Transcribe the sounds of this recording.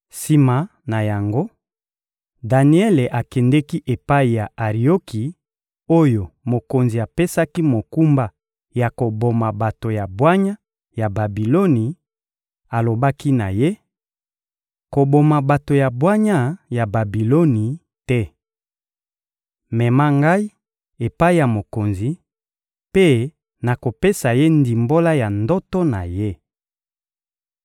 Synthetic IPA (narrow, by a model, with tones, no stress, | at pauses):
si˦ma˨ | na˨ja˨ŋɡo˦ | da˨ni˦ɛ˦le˨ʔa˨kɛ˨ndɛ˦ki˦ʔe˨pa˦i˨ja˨ʔa˨ʁi˨o˦ki˨ | o˦jo˨mo˨ko˨nzi˨a˨pe˦sa˦ki˦mo˨ku˦mba˦ | ja˨ko˨bo˨ma˨ba˨to˨ja˨bwa˦ɲa˦ | ja˨ba˨bi˨lo˦ni˨ | a˨lo˨ba˦ki˦na˨je˦ | ko˨bo˨ma˨ba˨to˨ja˨bwa˦ɲa˦ja˨ba˨bi˨lo˦ni˨ | tɛ˦ | mɛ˨ma˦ŋɡa˦i˦ | e˨pa˦i˦ja˨mo˨ko˨nzi˨ | pe˦ | na˨ko˨pe˦sa˨je˦ndi˨mbo˦la˦ja˨ndɔ˦tɔ˦na˨je˦